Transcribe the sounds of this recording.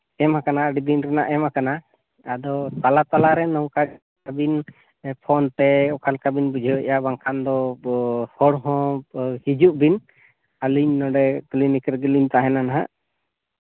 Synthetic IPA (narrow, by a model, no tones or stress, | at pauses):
ɛmhakanaɖib̪inɾɛna̰ʔɛmakanaː | d̪ɔt̪alat̪alaɾɛnɔwka | abin | pʰɔnt̪ɛɔkʰalkabinbud͡ʒʱəʔjabaŋkʰand̪ɔ | hɔɽɦɔ̃hid͡ʒuʔbin | aliɲnɔɖɛklinikɾɡilint̪aɦɛnanaɦa̰ʔ